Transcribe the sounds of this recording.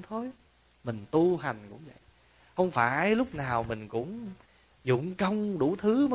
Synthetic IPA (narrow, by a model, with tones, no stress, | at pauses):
t̪ʰo˨˧˦j | mï˨˩ŋ̟t̪u˧ha˨˩jŋ̟kʊ̰˧˥ŋ͡mvə̰˧˨j | hə˧wŋ͡mfaː˧˩jlʊ˦˥k͡p̚naː˨˩wmï˨˩ŋ̟kʊ̰˧˥ŋ͡m | zʊ̰˧˨˩ŋ͡mkə˧wŋ͡mɗu˧˩t̪ʰɨ˨˦mə˨˦